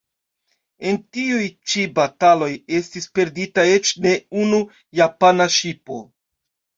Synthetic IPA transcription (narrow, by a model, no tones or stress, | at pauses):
e̞ntiujt͡ʃibatalo̞je̞stispe̞ɾditae̞t͡ʃne̞unu | japanaʃipo̞̰